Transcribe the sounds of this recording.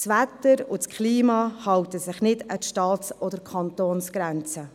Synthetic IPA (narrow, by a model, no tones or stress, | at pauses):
sʋætːəɾʊskʰχliːmɑːhɑwtəsɪχnɪdətʃtɑːtsɔdəɾkʰɑntoːnsɡ̥ɾɛnt͡sə